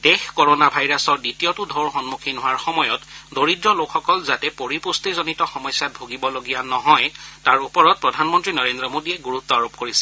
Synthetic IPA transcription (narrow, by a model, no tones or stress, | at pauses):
d̥exkɔɹonabʱajɹasɔɹditijotʊdʱɔɹxɔnmukʰinɦʊwaɹxɔmɔjɔtdoɹidɹɔlokʰxɔkɔlzatɛpoɹipustizonitɔxɔmɔjsjat̚bʱoɡibɔloɡijanɔɦɔjtaɹupɔɹɔt̚pɹɔdʱanmɔntɹinɔɹendɹɔmodiɛɡuɹutːɔaɹop̚koɹisɛ̥